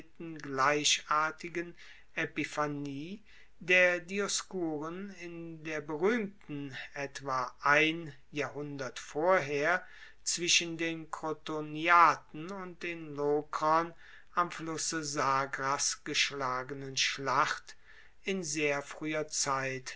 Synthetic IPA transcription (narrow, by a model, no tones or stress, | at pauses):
tn̩ɡlaɪʃʔaːɐtɪɡən | ʔepifaniː | deːɐdiɔskuːʁənɪndeːɐbəʁyːmtn̩ʔɛtv̥aːʔaɪn | jaːɐhʊndɐtfoːɐɦeːɐ | t͡sv̥ɪʃəndeːnkʁotoniaːtn̩ʊnt̚d̥eːnlokʁɐn | ʔamflʊsəzaːɡʁasɡ̥əʃlaːɡənənʃlaχt | ɪnzeːɐfʁ̥yːɐt͡saɪt